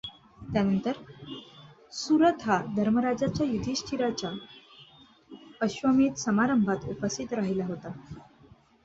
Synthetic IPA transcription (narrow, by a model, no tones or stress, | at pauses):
t̪janənt̪əɾ | suɾət̪ɦad̪ʱəɾməɾad͡ʑat͡ɕjajud̪ʱiɕʈʰiɾat͡ɕa | əɕʋəmiːt̪səmaɾəmbʱat̪upəst̪ʰit̪ɾaɦilaɦot̪a